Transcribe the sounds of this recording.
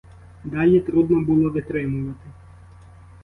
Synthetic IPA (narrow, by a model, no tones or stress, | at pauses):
d̪ɑlʲit̪ɾud̪nɔbʊlˠɔʋɪt̪ɾɪmʊʋɐt̪ɪ